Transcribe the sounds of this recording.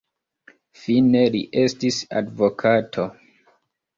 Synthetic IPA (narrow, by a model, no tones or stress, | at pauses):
fine̞liʔe̞stisa̰dvo̞kʰatʰo̞